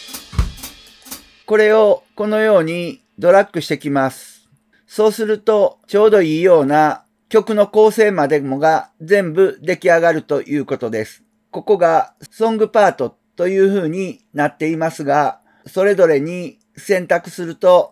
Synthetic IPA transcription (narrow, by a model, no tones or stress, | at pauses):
ko̞ɾe̞o̞ko̞no̞jo̞ːɲ̟i | d̪o̞ɾakːɯ̟ɕi̥t̪e̞kʲimasɨ̥ | so̞ːsɨɾɯ̟t̪o̞t͡ɕo̞ːd̪o̞iːjo̞ːna | kʲo̞kɯ̟no̞ko̞ːse̞ːmad̪e̞mo̞ɡazẽ̞mbɯ̟d̪e̞kʲiaɡaɾɯ̟t̪o̞jʔɯ̟ːko̞t̪o̞d̪e̞sɨ̥ | ko̞ko̞ɡasõ̞ŋɡɯ̟paːt̪o̞ | t̪o̞jɯ̟ːɸɯ̟ːɲ̟i | nat̪ːe̞imasɨɡa | so̞ɾe̞zo̞ɾe̞ɲ̟i | sẽ̞nt̪akɯ̟̥sɨɾɯ̟t̪o̞